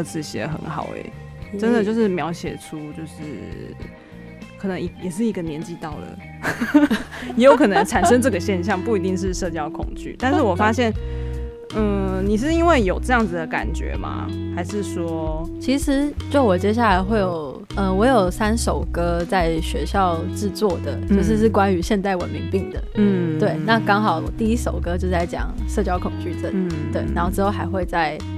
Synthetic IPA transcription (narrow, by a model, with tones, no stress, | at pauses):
t͡sɹ̩˥˩ɕjɛ̰˧˥xə̰˧˦nxɑ̰˨˩ʊ̰ɛ̰˨˩ | ʈ͡ʂə˦nd̪ə˨t͡ɕjo˥˧ʊʂɻ̩˥˩mjɑ˧˥ʊɕjɛ̰˨˩ʈ͡ʂʰu˦˥t͡ɕjo˥˧ʊʂɻ̩˥˩ | kʰə˨˩nə˧˦ŋi˧jɛ˨˩ʂ̬ɻ̩˥˩i˧˥ɡə˧njɛ˧˥nt͡ɕi˥˧t̪ɑ˥˩ʊd̪ə̰˩ | jɛ˧˥jo˧ʊkʰɤ˨˩nə˧˦ŋʈ͡ʂʰa˨˩nʂə˦˥ŋʈ͡ʂɤ˥˩ɡə˨˩ɕjɛ˥˧nɕ̬jɑ˥˧ŋpu˥˩i˧˥t̪i˥˧ŋʂ̬ɻ̩˥˧ʂɤ˥˧t͡ɕjɑ˥˧ʊkʰʊ̰˨˩ŋt͡ɕy̰˥˩t̪a˥˧nʂ̩˥˩wɔ˨˩fa˥ɕjɛ˥˩n̩˥˩ | ni˨˩ʂ̬ɻ̩˥˩i˥nwe˥˩ɪjo˨˩ʊʈ͡ʂɤ˥˧jɑ˥˩ŋd͡zɨ˩d̪ə˩ka̰˨˩nt͡ɕɥɛ̰˧˥ma̰˧˩xa˧˥ɪʂɻ̩˥˩swɔ˥t͡ɕʰi˧˥ʂɻ̩˧˥t͡ɕo˥˧˩wɔ˨˩t͡ɕjɛ˥ɕ̬ja˥˩la˧˥ɪxwe˥˩ɪjo˨˩ʊʊ | ə˧wɔ˧˥jo˨˩ʊsa˦˥nʂo˨˩ʊkɤ˥t͡sa˥˩ɪɕɥɛ˧˥ɕjɑ˥˧ʊʈ͡ʂɻ̩˥˧t͡swɔ˥˩d̪ə̰˩t͡ɕjo˥˧ʊʂ̬ɻ̩˥˧ʂɻ̩˥˩kwa˦ny˧˥ɕjɛ˥˧nt̪a˥˩ɪwə̰˨nmi˧˥ŋpi˥˩ŋd̪ə̰˩˥˩t̪we˥˩ɪna˥˩kɑ˥ŋxɑ˨˩ʊ˩t̪i˥˩i˥ʂo˨˩ʊkɤ˥t͡ɕjo˥˧ʊt͡sa˥˩ɪt͡ɕjɑ̰˨˩ŋʂɤ˥˧˩t͡ɕjɑ˥ʊkʰʊ˨˩ŋt͡ɕy˥˩ʈ͡ʂə˥˩nnt̪we˥˩ɪna˧nxo˥˩ʊʈ͡ʂɻ̩˧˥xo˥˩ʊxa˧˥ɪxwe˥˧ɪt͡sa˥˩ɪ